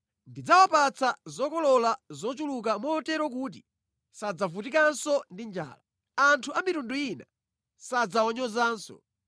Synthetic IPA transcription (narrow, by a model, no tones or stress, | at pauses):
ndid͡zawapat͡sʰazɔkɔlɔlazɔt͡ʃuluk̬amɔɔtɛɾɔk̬uːt̬i | sad͡zavutikansɔndind͡ʒa̰ːla | antʰuamitunduina̰ | sad͡zaɔɲɔzaːnsɔ̰